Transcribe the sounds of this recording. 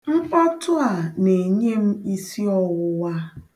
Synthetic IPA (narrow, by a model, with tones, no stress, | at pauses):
ŋ͡m̩˦k͡pa˦tʊ˦a˨ne˨ɲe˦m̩˦i˦si˦ɔ˦wʊ˦wa˦